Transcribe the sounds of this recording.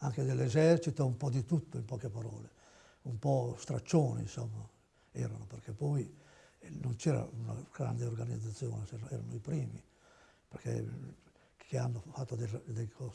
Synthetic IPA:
aŋked̪elːezɛrt͡ʃit̪oumpɔd̪it̪ut̪ːoimpɔkepaɾɔ̰ːle | umpɔst̪ɾat͡ʃːoːnḭnsɔmːa | ɛːɾanoperkepːɔj | nont͡ʃɛːɾa̰una̰ɡ̥ɾa̰nd̪eorɡanid̪zat̪sːjo̰ːnesɛɛːɾa̰noipɾiːmi | perkḛ | keanːofat̪ːod̪ed̪ekʰɔ

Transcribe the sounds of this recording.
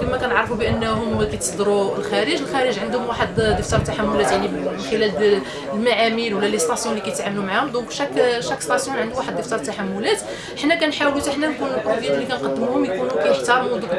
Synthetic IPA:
æmːækænəʕɾˤfubəʔənːhʊmkæjt̪əsˤd̪ɾulxæɾəʒəlxæɾəʒʕənd̪hʊmwaħəd̪d̪əft̪ɑɾˤt̪ːaħamːʊlæt̪jaʕnimənxəlæl | lmaʕamilwəlːæləst̪ɑsjũlikæjət̪ʕamlumaʕahʊmd̪ɔ̃kʃækːʃækːst̪ɑsjunʕənd̪uwaħəd̪ːəft̪ɑɾˤt̪ːaħamːʊlæt̪ | ħnːækænħɾwit̪aħnænkunlbɾobjæt̪lːikænqɑd̪ːəmuhʊmjkunukæjəħt̪ɑɾˤmd̪ˤũk

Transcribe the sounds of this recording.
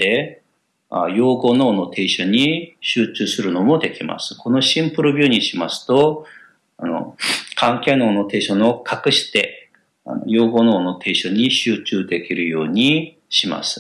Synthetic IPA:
e̞ | ajo̞ːɡo̞no̞ːno̞t̪ʰe̞iɕoɲ̟iɕɨːt͡ɕɨːsɨɾɯ̟no̞mo̞d̪e̞kʲima̰sɨ̥kʰo̞no̞ɕĩmpɯ̟ɾɯ̟bʲɨːɲ̟iɕimasɨ̥t̪o̞ | ano̞̰kʰãŋkʲeno̞ːno̞t̪e̞ːɕono̞kʰakɯ̟ɕi̥t̪e̞ | a̰no̰jo̞ːɡo̞ːno̞ːno̞t̪ʰe̞iɕoɲ̟iɕɨːt͡ɕɨːd̪e̞kʲiɾɯ̟jo̞ːɲ̟i | ɕima̰sɨ̥

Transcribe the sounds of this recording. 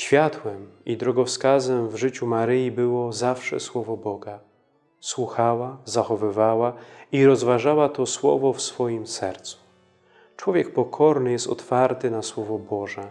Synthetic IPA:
ɕfʲjat̪wɛmid̪ɾɔɡɔfskazɛmvʐɘt͡ɕumaɾɘjibɘwɔzafʂɛ̰swɔvɔbɔɡa | swuxawazaxɔvɘvawaiɾɔzvaʐawat̪ɔswɔ̰vɔfsfɔjimsɛ̰ɾt̪su̥ | t͡ʂwɔvʲjɛk̚pɔkʰɔɾnɘjɛst̪ɔ̰t̪faɾt̪ɘnaswɔvɔbɔʐɛ

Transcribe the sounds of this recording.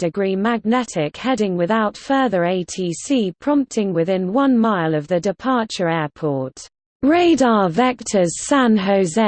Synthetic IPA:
d̥ɪɡɹiːmaɡ̚nɛtʰɪkhɛdɪ̃ŋwɪðaʊtfɜːðəɹeɪtʰiːsiːpʰɹ̥ɒ̃mp̚tʰɪ̃ŋwɪðɪ̃nwʌ̃nmaɪləvðədɪpʰɑˑt͡ʃəɹɛːpʰɔˑt | ɹeɪdɑːvɛk̚tʰəz̥sãnɦəʊzɛ

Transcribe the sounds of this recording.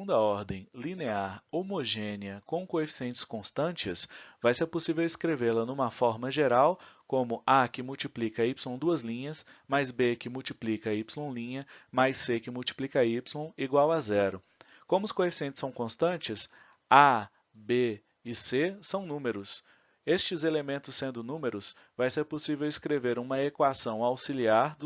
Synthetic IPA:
ũnd̪ɐɔɾd̪ẽj̃lineaɾomoʒẽniɐkõw̃koefi̥siẽnt͡ʃɪ̥skõst̪ɐ̃t͡ʃɪsvajseɾposivewɪskɾevelɐnũmɐfɔɾmɐʒeɾawkõmʊakɪmuwt͡ʃiplikɐipslõw̃d̪uɐzlĩɲɐsmajzbekɪmuwt͡ʃiplikɐipslõw̃lĩɲɐmajsːekɪmuwt͡ʃi̥plikɐipslõw̃iɡwawazɛɾʊ | kõmʊskoefisiẽnt͡ʃ̪ɪsɐ̃w̃kõst̪ɐ̃t͡ʃɪs | a | be | ɪsesɐ̃w̃nũmeɾʊs | est͡ʃɪzelemẽnt̪ʊsːẽnd̪ʊnũmeɾʊs | vajseɾposivewɪskɾeveɾũmɐekwasɐ̃w̃awsiliaɾd̪

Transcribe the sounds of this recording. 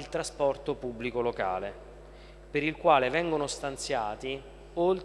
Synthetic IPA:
ilt̪ɾaspɔrt̪opubːlikoloka̰ːle | peɾilkwaːlevɛŋɡonost̪ant̪sjaːt̪i | olt̪

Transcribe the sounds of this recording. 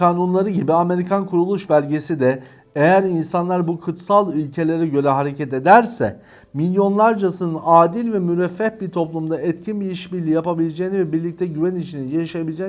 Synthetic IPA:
kaːnunlˠaɾɯɟibiame̞ɾikʰankʰuɾulˠuʃbælʲɟesid̪ɛ | ejæɾinsanlˠaɾbukʰut̪salˠylʲcʰe̞lʲe̞ɾɛɟø̞ɾɛɦaɾe̞cʰɛt̪e̞d̪æɾsɛ̰ | milʲjo̞nlˠaɾd͡ʒasɯnɯnaːd̪ilʲvɛmyɾɛfːɛpbiɾt̪ʰo̞plˠumd̪aɛt̪cʰinbiiʃbiɾlʲijapabilʲed͡ʒejnivɛbiɾlʲic̚t̪ʰɛɟyvænit͡ʃʰininjaʃaabilʲed͡ʒɛ

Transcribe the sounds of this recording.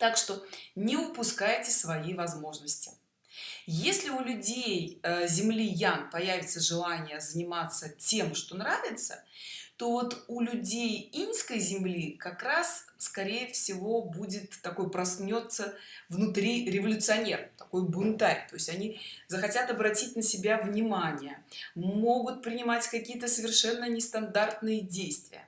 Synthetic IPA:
t̪akʂt̪onʲɪʊpʊskajtʲɪsvɐjivɐzmo̞ʐnəsʲtʲɪ̥ | jesʲlʲɪʊlʲʊdʲejzʲɪmlʲijanpɐjævʲɪt̪səʐɨlˠanʲɪjəzənʲɪmat̪sətʲe̞mʂt̪o̞nɾavʲɪt̪sə̰t̪o̞vo̞t̪ulʲʊdʲejinskəjzʲɪmlʲikɐkɾasskɐɾʲejəfsʲɪvo̞budʲɪt̪ːɐko̞jpɾɐsnʲo̞t̪səvnʊt̪ɾʲiɾʲɪvəlʲʊt̪sɨɐnʲe̞ɾəmt̪ɐko̞jbʊnt̪aɾʲt̪o̞jɪsʲtʲɐnʲizəxɐtʲat̪ɐbɾɐtʲitʲnəsʲɪbʲavnʲɪmanʲɪjəmo̞ɡʊt̪̚pɾʲɪnʲɪmatʲkɐkʲijət̪əsəvʲɪrʂɛnːənʲɪst̪ɐnd̪art̪nɨjədʲejst̪vʲɪ̰jə̰

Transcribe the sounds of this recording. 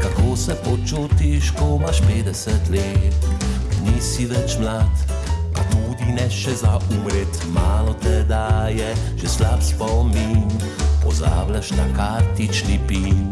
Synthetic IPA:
k̪akoːsɛpɔt͡ʃut̪iʃkɔmaʃpeːd̪ɛsət̪leːt̪niːsiʋɛt͡ʃmlaːt̪pat̪uːd̪inɛʃɛzaʔumɾet̪maːlɔt̪ɛd̪ajɛ | ʒ̥ɛslapspɔmin | pɔza̰ːblaʃt̪a̰kaːɾt̪it͡ʃnipin

